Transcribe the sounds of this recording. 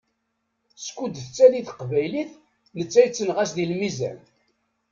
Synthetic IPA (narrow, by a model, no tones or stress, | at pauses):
skʷːud̪θət͡sːæliθə̥qvæjliθ | nət͡sːæjt͡sːənʁæsðilmizæ̰n